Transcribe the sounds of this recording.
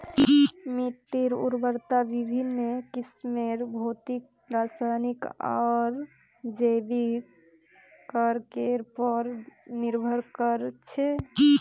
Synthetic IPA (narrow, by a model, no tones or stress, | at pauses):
miʈːiɾṵɾbəɾt̪abibʱinmekismeɾbʱot̪ik̚pɾasanika̰ɾ | d͡ʒebi | kəɾkeɾpəɾniɾbʱəɾkəɾt͡ʃʰɛ